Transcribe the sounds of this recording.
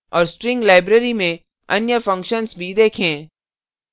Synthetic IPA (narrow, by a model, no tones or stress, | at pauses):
ɔːɾsʈɾɪ̃ŋɡlaːɪbɾeɾimẽ | ɐnjəfɐ̃ŋkʃənsbʱid̪eːkʰẽː